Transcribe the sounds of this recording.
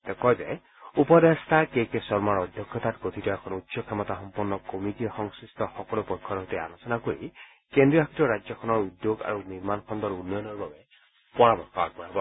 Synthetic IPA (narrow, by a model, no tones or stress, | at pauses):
tɛkɔjzɛ̰ | upɔdestakejkesɔɹmaɹɔdʱjɔkʰːjɔtatɡotʰitɔɛkʰɔnutːsɔkʰɛmɔtaxɔmpɔnːɔkomitixɔŋsistɔxɔkɔlupɔjkʰːɔɾɔɦɔtɛa̰lɔsɔnakoɹḭ | kendɹijɔɦakʰitɔɹad͡ʒɔkʰɔnɔɹudjoɡa̰ɹuniɹmankʰɔndɔɹunːɔjɔnɔɹbabɛ | pɔɹabɔɹxɔa̰ɡ̚bɔɹabɔ